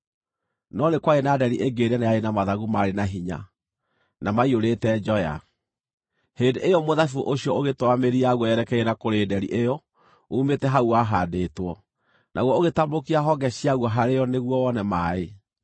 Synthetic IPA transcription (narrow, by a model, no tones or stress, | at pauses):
nɔnekwaɣenadɛɾiʔeɡeɾɛnajaenamaðaɣumaɾenaɦiɲa̰ | namaioɾeːtɛd͡ʒɔja̰ | heːndeʔejɔmoðafuʔoɕiɔoɣetwameɾiaɣwɔjɛɾɛkɛɛnakoɾeːdɛɾḭʔejɔ | umetɛɦauaɦadeːtwɔ | nʔaɣwɔoɣetamokiaɦɔɡɛɕiaɣwɔɦaɾejɔneɣwɔwɔnɛmaːe